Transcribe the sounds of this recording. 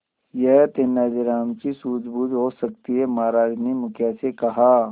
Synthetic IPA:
jɛɦt̪enːaːd͡ʒɪɾaːmt͡ʃisuːd͡ʒbuːd͡ʒɦosɐk̚t̪iɦemaːɾaːd͡ʒnemʊkɛsekɐɦaː

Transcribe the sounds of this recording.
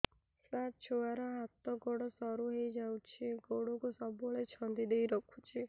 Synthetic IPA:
sat͡ʃʰoaɾɔɦat̪ɔɡɔɽɔsɔɾuɦejd͡ʒawt͡ʃʰiɡoɽɔkusɔbuɭet͡ʃʰɔnd̪id̪ejɾɔkʰut͡ʃʰi

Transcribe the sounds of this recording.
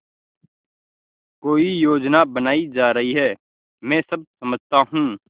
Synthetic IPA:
koːijoːd͡ʒnabɐnaːid͡ʒaːɾɐɦiɦɛː | mɛ̃ːsɐb̚sɐməd͡ʒʱt̪aɦũː

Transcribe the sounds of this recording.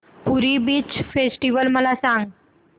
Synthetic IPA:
puɾibiːt͡ɕfesʈiʋəlməlasãŋɡ

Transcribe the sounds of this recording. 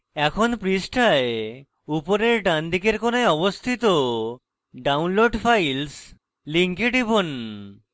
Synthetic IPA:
ɛkʰonpɾisʈʰae | upoɾeɾɖand̪ʱikeɾkonaeɔbost̪ʰit̪o | ɖawnloɖfʰajls | liŋkeɖibon

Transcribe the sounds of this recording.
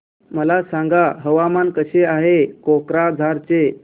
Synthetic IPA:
məlasãŋɡaɦəʋamankəɕeaɦekokɾad͡zʱaɾt͡ɕe

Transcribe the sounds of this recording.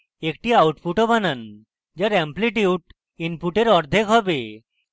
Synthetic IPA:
ekʈiawʈpuʈobanan | d͡ʑaɾɛmpliʈiuʈ | inpuʈeɾɔɾd̪ʱekɦɔbe

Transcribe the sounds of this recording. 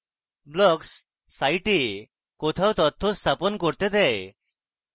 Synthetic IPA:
blɔksː | ajʈi | kɔt̪ʰawt̪ɔt̪ʰːɔst̪ʰapɔnkɔɾt̪ed̪ɛj

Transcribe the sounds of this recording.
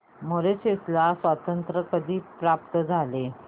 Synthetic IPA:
moɾeseslasʋat̪ənt̪ɾəkəd̪ʱiːpɾap̚t̪əd͡zʱale

